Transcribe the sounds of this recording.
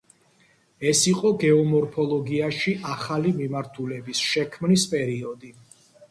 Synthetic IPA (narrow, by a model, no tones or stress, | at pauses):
ɛsiqʼɔɡɛɔmɔɾpʰɔlˠɔɡiaʃiʔaχalimimaɾt̪ʰulɛbisʃɛkʰmnispʼɛɾiɔd̪i